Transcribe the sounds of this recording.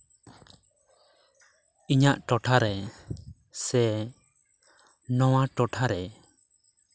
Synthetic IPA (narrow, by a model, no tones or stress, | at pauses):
iɲaʔʈɔʈʰaɾɛ | sɛ | nɔwaʈɔʈʰaɾɛ